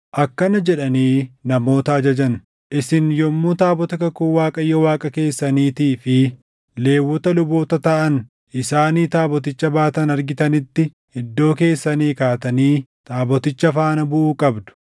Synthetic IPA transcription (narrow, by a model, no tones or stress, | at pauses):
ʔɐkːɐnɐd͡ʒɛᶑɐniːnɐmo̞ːt̪ɐɐd͡ʒɐd͡ʒɐn | ʔɪsɪnjɔmːuːt̪aːbɔt̪ɐkɐkuwaːkʼɐjːɔwaːkʼɐke̞ːsːɐniːt̪iːfɪ | le̞ːwːɔt̪ɐlʊbo̞ːt̪ɐt̪ɐʔɐn | ʔɪsaːniːt̪aːbɔt̪̬ɪt͡ʃːɐbaːt̪ɐnɐɾɡɪt̪ɐnɪt̪ːɪ | ɪd̪ːo̞ːke̞ːsːɐniːkaːt̪ɐniːt̪aːbɔt̪ɪt͡ʃːɐfaːnɐbʊʔuːkʼɐbd̪ʊ̥